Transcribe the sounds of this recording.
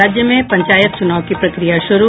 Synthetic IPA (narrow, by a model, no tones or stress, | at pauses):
aːd͡ʒjəmẽpɐ̃ɲt͡ʃaːjət̪̚t͡ʃʊnaːʋkipɾɐkɾijaʃʊɾu